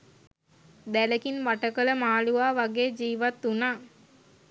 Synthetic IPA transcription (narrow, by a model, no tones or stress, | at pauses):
d̪æləkinʋaʈəkələmaːluʋaːʋaɡeːd͡ʒiːʋat̪ːunaː